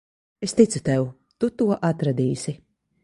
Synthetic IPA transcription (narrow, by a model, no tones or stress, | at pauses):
est̪it̪sut̪ɛw | t̪ut̪uɔʔat̪ɾad̪iːsi